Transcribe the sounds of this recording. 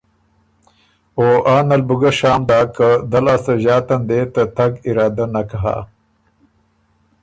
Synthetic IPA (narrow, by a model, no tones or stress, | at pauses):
oːʔaːnalbuɡaʃaːmd̪aːkəd̪alaːsɐʑɑːt̪and̪et̪at̪aɡɪɾɑːd̪anakaɦa̰